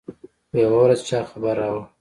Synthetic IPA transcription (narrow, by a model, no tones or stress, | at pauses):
jawawɾazt͡ʃɑːxabaɾːawə